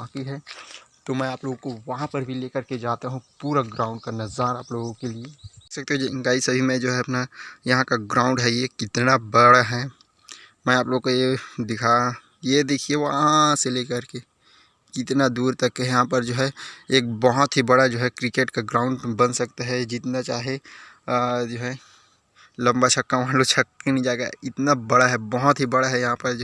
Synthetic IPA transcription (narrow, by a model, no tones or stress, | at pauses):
akiɦɛt̪omɛ̃aːploːɡõkoʋɐɦãpɐɾbʱileːkəɾked͡ʒaːt̪aɦũpuːɾaɡɾãːʊ̃ɳɖ̚kanɐzaːɾaːploːɡõkeliesɐk̚t̪eɦũd͡ʒeɪ̃ŋɡaːisɐbʱimẽd͡ʒoːɦɛɐpnajɐɦãkaɡɾãːʊ̃ɳɖɦɛjekɪt̪nabɐɽaɦɛ | mɛ̃ːaːploːɡokojed̪ɪkʰa | jed̪eːkʰieʋoɦɐɦãseleːkɐɾke | kɪt̪nad̪uːɾt̪ɐkːeɦɛjɐɦãp̬ɐɾd͡ʒoːɦɛeːk̚bɔɦʊt̪ɦibɐɽad͡ʒoːɦɛkɾɪkeːʈkaɡɾãːʊ̃ɳɖbɐnsɐkt̪aɦɛd͡ʒɪt̪nat͡ʃaːɦe | d͡ʒoːɦɛ | lɐ̃mbat͡ʃʰɐkːaʋɦãlot͡ʃʰɐkːenĩd͡ʒaːeɡaɪt̪nabɐɽaɦɛbɔɦʊt̪ɦibɐɽaɦɛjɐɦãpɐɾd͡ʒo